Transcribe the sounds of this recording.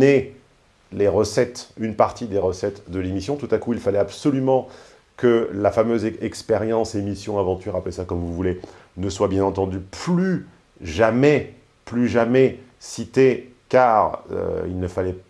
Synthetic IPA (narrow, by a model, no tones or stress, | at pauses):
e | leʁəsɛt̪ynpaʁt̪id̪eʁəsɛt̪d̪əlemisjɔ̃t̪ut̪akuilfalɛabsɔlymɑ̃ | kəlafamøzɛkspeʁjɑ̃semisjɔ̃avɑ̃t̪yʁaplesakɔmvuvule | nəswabjɛ̃nɑ̃t̪ɑ̃d̪yply | ʒamɛ | plyʒamɛ | sit̪e | kaʁø̰ḭlnəfalɛ